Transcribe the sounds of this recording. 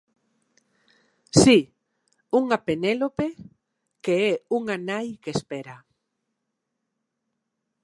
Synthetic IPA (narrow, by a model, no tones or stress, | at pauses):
si | uŋapenelope | keɛuŋanajkespɛɾa